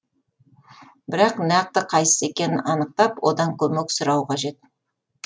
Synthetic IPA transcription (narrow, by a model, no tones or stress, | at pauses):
bɪɾɑqnæq̚t̪əqʰɑjsə̥se̞kʲe̞nɪnɑnəq̚t̪ɑpwʔo̞d̪ɑŋkʲʰɵmeksʊɾɑwqʰɑʒe̞t̪̚